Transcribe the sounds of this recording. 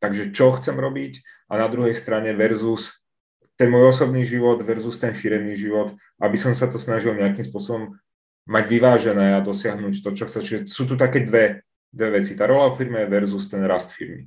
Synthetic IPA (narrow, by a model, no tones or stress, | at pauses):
t̪aɡʒɛt͡ʃɔxt͡sɛmɾɔbicʔanad̪ɾuɦɛjst̪ɾaɲɛʋɛɾzus | t̪ɛnmuɔjɔsɔbniːʒiʋɔd̪ʋɛɾzust̪ɛnfiɾɛmniːʒiʋɔt̪ | ʔabisɔmsat̪ɔsnaʒilɲɛakimspʊɔsɔbɔmː | aɟʋiʋaːʒɛnɛːad̪ɔsɪaɦnuːct̪ɔt͡ʃɔxt͡sɛt͡ʃiʒɛsuːt̪ut̪̬akɛːd̪ʋɛ | d̪ʋɛʋɛt͡sit̪aːɾɔlaɔfiɾmɛɛʋɛɾzust̪ɛnɾast̪fiɾmḭ